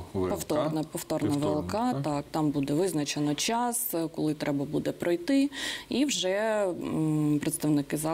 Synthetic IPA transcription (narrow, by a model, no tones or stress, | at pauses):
pɔwt̪ɔrnɛpɔft̪ɔrnɐʋelˠkɑt̪ɑkt̪ɑmbud̪ɛʋɪznɐt͡ʃenɔt͡ʃɑskɔlˠɪt̪ɾɛbɐbud̪ɛpɾɔjt̪ɪiwʒɛ | pɾet̪st̪ɐʋnɪkɪzɑ